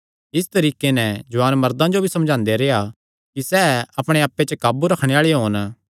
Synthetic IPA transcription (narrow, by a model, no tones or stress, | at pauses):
ɪs̬t̪ɐɾiːkenɛd͡ʒʊaːnmɐɾd̪ãd͡ʒobʱisɐmd͡ʒʱãːnd̪eɾeːa | kisɛɐpɽ̃eaːpːet͡ʃəkaːbuɾɐkʰɽ̃eaːɭeɦoːn